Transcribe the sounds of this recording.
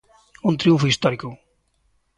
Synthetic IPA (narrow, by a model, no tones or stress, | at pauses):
ũnt̪ɾiũɱfʊist̪ɔɾikʊ